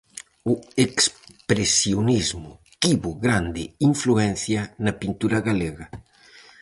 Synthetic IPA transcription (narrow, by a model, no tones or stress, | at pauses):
ʊekspɾesjonizmʊ | kiβoɣɾand̪ɪiɱfluɛnθjɐnɐpint̪uɾɐɣaleɣɐ